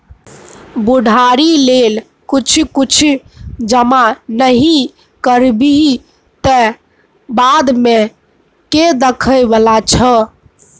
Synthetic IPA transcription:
buɖʱaɾilel | kut͡ʃʰkut͡ʃʰd͡ʒəmanəɦi | kəɾbi | t̪ə | bad̪me | ked̪əkʰəjbəlat͡ʃʰə

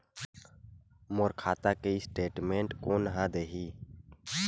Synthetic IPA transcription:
moɾkʰaːt̪akeɪsʈeːʈmẽːɳʈkonɐɦãd̪eːɦiː

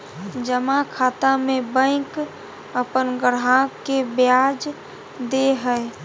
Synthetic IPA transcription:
d͡ʒəmakʰaːt̪amẽbə̃ɪ̃k | əpənɡəɽakebjad͡ʒ | d̪eɦəe

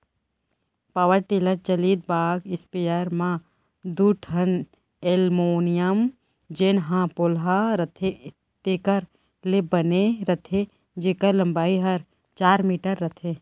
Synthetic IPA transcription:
paʋəɾʈeːləɾd͡ʒɐliːd̪̚baːɡɪspijəɾmã | d̪uʈʰɐn | elmoːnijəm | d͡ʒeːnɦãːpolɦaɾɐt̪ʰe | t̪eːkəɾ | lebɐneɾɐt̪ʰe | d͡ʒeːkəɾlɐmbaːiɦɐɾ | t͡ʃaːɾmiːʈəɾːɐt̪ʰe

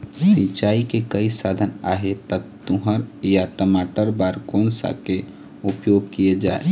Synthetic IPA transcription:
sit͡ʃaːikekəisaːd̪ʱənaːɦet̪ək̚t̪ʊɦəɾjaʈəmaːʈəɾbaːɾkoːnsa̰ke | ʊpjoːɡ̚kijed͡ʒaːe

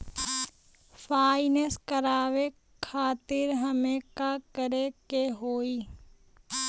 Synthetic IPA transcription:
fʰaːɪneskəɾaːʋe | kʰaːt̪ɪɾɦəmekakəɾekeɦoːiː

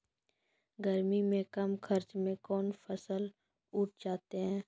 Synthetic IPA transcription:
ɡəɾmimẽkɐmxʰɐɾt͡ʃmẽkɔːnfʰɐsəl | uːʈ̚ʰd͡ʒaːt̪eɦɛ̃ː

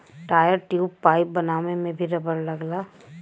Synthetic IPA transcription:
ʈaːjəɾʈjuːpːaːɪp̚bɐnaːmẽmẽbʱiɾɐbəɾlɐɡlaː

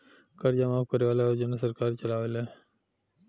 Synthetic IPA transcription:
kəɾd͡ʒamaːfkəɾeʋaːleod͡ʒonasəɾkaːɾt͡ʃəlaːʋeleː

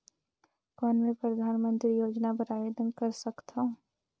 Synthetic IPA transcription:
kɔːnmẽpɾɐd̪ʱaːnmə̃nt̪ɾijoːd͡ʒnap̬əɾaːjoːd̪ənkɐɾsɐkt̪ʰõ

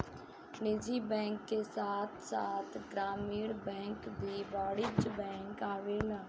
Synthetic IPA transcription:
nɪd͡ʒibɛ̃ːŋkːesaːt̪ʰsaːt̪ʰɡɾaːmiːɽbɛ̃ːŋkbʱibaːɽɪd͡ʒbɛ̃ːŋkaːʋelaː

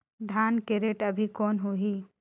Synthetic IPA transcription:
d̪ʱaːnkeɾeʈəbʱikɔːnɦuɦi

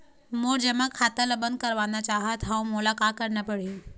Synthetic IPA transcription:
moːɾd͡ʒəmakʰaːt̪əlɐbənd̪̚kəɾʋaːnat͡ʃaːɦət̪ɦamulakaːkəɾnapəɽ̤i

